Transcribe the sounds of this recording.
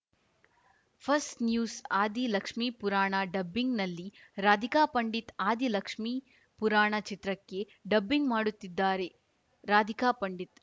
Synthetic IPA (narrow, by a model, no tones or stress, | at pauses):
pʰɐsʈnjuːsaːd̪ʱilɐkʂmiːpuɾaːɳaːɖɐbːiŋɡnɐlːiɾaːd̪ʱikaːpɐɳɖit̪aːd̪ʱilɐkʂmiː | puɾaːɳat͡ʃit̪ɾɐkːe | ɖɐbːiŋɡmaːɽut̪ːid̪ːaːɾe̞ | ɾaːd̪ʱikaːpɐɳɖit̪